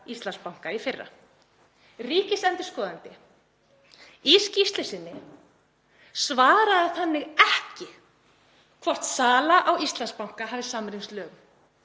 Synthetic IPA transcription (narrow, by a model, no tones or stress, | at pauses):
ist̪lanspawŋ̥kaifɪrːa̰ | riːcɪsɛnt̪ɪɾ̥skɔːðant̪ɪ | iscist̪lɪsɪnːɪ | svaːɾaðaθanːɪɣɛhcɪ | kʰvɔr̥t̪saːlaʔawist̪lanspawŋ̥kaɦaːvðɪsaːmɾinslœːɣ